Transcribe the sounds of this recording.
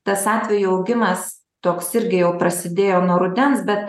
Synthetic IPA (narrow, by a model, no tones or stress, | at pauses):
t̪ɐsɑːt̪ʲʋʲɛjuɐʊɡʲɪmɐs | t̪oːksɪɾʲɡʲɪjɛʊpɾɐsʲɪd̪ʲeːjoːnuɔɾʊd̪ʲɛnsbʲɛt̪